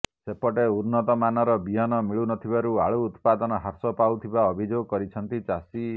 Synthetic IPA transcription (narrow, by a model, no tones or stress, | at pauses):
sepɔʈeuɾnɔt̪ɔmanɔɾɔbiɦɔnɔmiɭunɔt̪ʰibaɾuaɭuːt̪pad̪ɔnɔɦaɾsɔpawt̪ʰibaɔbʱid͡ʒoɡɔkɔɾit͡ʃʰɔnt̪it͡ʃasi